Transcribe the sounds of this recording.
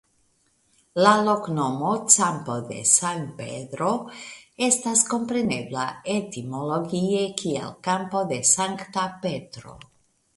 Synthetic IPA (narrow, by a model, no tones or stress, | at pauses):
lalo̞kno̞mo̞t͡sampo̞d̪e̞̰santpedɾo̞e̞stasko̞mpɾe̞ne̞blae̞timo̞lo̞ɡie̞kʰiḛlkampo̞de̞saŋktape̞tɾo̞̰